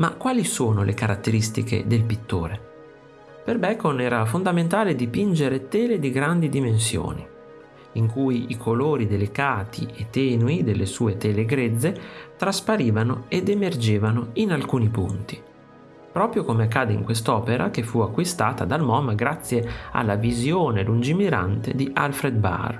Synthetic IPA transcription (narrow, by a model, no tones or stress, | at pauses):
makːwaːlisoːnolʔekaɾat̪ːeɾist̪ḭkḛd̪elpit̪ːo̰ːɾe | perbɛkonɛːɾafond̪ament̪aːled̪ipind͡ʒeɾet̪ɛːled̪iɡɾand̪id̪imens̬jo̰ːnḭ | iŋkujikʰoloːɾid̪elikaːt̪ʰḭet̪ːɛːnuid̪elːesuːet̪ɛːleɡɾed̪zːet̪ɾaspaɾiːvanoed̪emerd͡ʒeːvanoinalkuːnipṵnt̪i̥ | pɾɔːpɾjokomeakːaːd̪eḭŋkwest̪ɔːpeɾʔa̰k̟efːuakːwist̪aːt̪ad̪almɔːmaɡɾat̪sːjea̰lːavizjoːnelund͡ʒimiɾa̰nt̪ḛd̪iʔa̰lfɾed̪̚ba̰r